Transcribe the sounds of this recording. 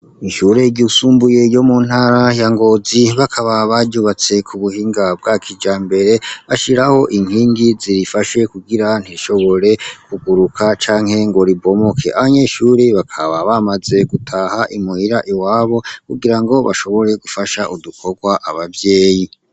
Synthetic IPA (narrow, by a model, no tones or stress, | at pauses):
iʃuːɾe̞ɟusuːmbuje̞jo̞mun̥haɾajaŋɡo̞ziβakʰaβaβaɟuβat͡se̞kʰuβuhiːŋɡab̚ɡakʰid͡ʒaːmbe̞ɾe̞βaʃiɾaho̞ʔiŋhiːŋɡiziɾifaʃe̞kuɡiɾan̥hiʃo̞βo̞ɾe̞kuɡuɾukʰat͡ʃaːŋhe̞ŋɡo̞ɾibo̞mo̞kʰe̞ʔaβaɲe̞ːʃuɾiβakʰaβaβamaze̞ɡutʰahaʔimuhiɾaʔiwaːβo̞kuɡiɾaŋɡo̞βa̰ʃo̞βo̞ɾe̞ɡufaʃaʔudukʰo̞ɡwaʔaβavje̞ːji